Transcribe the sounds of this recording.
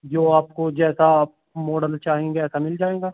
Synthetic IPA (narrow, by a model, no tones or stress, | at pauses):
d͡ʒoːaːpkod͡ʒɛːsa | moːɖəlt͡ʃaːɦẽːɡeɛːsamɪld͡ʒaːẽːɡaː